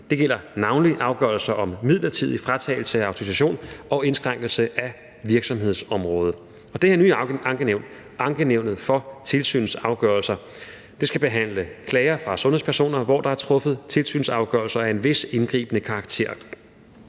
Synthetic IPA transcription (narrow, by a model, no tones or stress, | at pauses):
d̥e̝ɡ̥el̰ɐnɑ̈ʊnliʔɑ̈ʊɡ̥ɶɐlsɐʔɒ̽mmið̞̰ˠlɐt͡sʰið̞̰ˠifʁat͡sʰɛ̰ɪl̩səæɑ̈ʊt͡sʰo̝ʋis̬æɕo̝̰ːnɒ̽e̝nsɡ̥ʁɑ̈ŋ̰ɡ̥l̩səʔæ | ʋiɐɡ̥sɒ̽mɦe̝ðˠsɒ̽mʁɔ̽ːð̞ˠə | ɒ̽d̥eheɐ̰nyːɑ̈ŋɡ̥əneʊ̰n̥ | ɑ̈ŋɡ̥əneʊ̰nð̞̩ˠfɒ̽t͡sʰe̝lsy̰ːnsɑ̈ʊɡ̥œɐlsɐ | d̥e̝sɡ̥æb̥e̝ɦæn̰ləkʰlɛɪɐfʁɑ̈sɔ̽nhe̝̰pʰæɐso̝̰ːnɐʋɒ̰d̥ɑ̈æɐt͡sʰʁɔ̽fð̞̩ˠt͡sʰe̝lsy̰ːnsɑ̈ʊɡ̥œɐlsɐæe̝nʋe̝se̝nɡ̥ʁḭːb̥ənəkʰɑ̈ːɡ̥̚t͡sʰe̝̰ɐ̰